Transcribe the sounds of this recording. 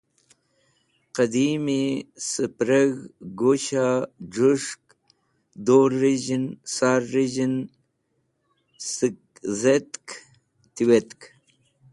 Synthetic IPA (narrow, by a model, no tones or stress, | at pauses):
qad̪imisəpɾəɣɡoɕaʐuʂk | d̪oɾːiʑinsaːɾːiʑin | s | zet̪k | t̪iwet̪k